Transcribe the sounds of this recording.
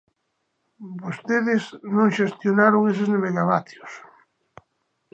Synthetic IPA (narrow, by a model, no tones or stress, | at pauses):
bost̪eðɪsnõŋʃest̪jonaɾoŋes̬ezneβeɣaβaθjos